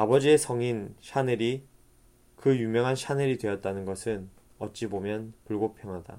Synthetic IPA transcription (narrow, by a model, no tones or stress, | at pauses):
abʌd͡ʑie̞sʰʌŋinɕʰaneɾi | kɯjumjʌŋɦanɕʰaneɾidwe̞jʌt̚t͈anɯnɡʌsʰɯn | ʌt̚t͡ɕ͈ibomjʌnpuɭɡopʰjʌŋɦada̰